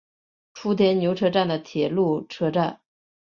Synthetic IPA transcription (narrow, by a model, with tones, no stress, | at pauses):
ʈ͡ʂʰu˥t̪ʰjɛ˧˥nnjo˧˥ʈ͡ʂʰɤ˥ʈ͡ʂa˥˩nd̪ə˩t̪ʰjɛ˨˩lu˥˩ʈ͡ʂʰɤ˥ʈ͡ʂa˥˩n